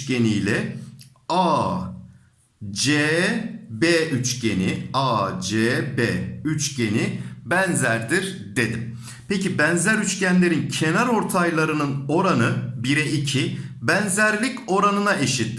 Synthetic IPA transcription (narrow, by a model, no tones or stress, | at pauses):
ce̞nijlʲɛ | a | d͡ʒe | beyt͡ʃɟe̞niad͡ʒeːbeːyt͡ʃɟe̞nibænzæɾd̪iɾ | d̪e̞d̪im | pecibænzæɾyt͡ʃcænlʲe̞ɾincʰe̞næɾo̞ɾt̪ʰajlˠaɾɯnɯno̞ɾanɯbiɾɛʔicʰi | bænzæɾlʲico̞ɾanɯnaʔe̞ʃit̪ʰːi